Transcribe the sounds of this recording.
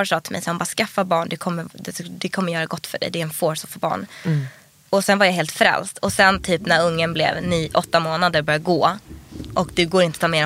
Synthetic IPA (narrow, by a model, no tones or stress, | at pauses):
sɑːt̪ʰɪlmɛ̰jsahʊmbɑːskafːabɑːɳɖ̪ɵkʰɔmːəɾd̪ɛd̪ɛkʰɔmːəɾjœːɾaɡɔt̪ːfœɖɛ̰jd̪ɛæɾɛnfoːsɔfoːbɑ̰ːɳ | ɔsɛnvaɾjaɦeːlt̪fɾɛ̰lst̪ʰɔsɛnt̪ʰyːpnæɾɵŋːənblɛ̰vniːʔɔt̪ːamoːnad̪əɾbœɾjaɡoːʔɔkd̪ɵɡoːɾɪnət̪ʰɑːmeːɾ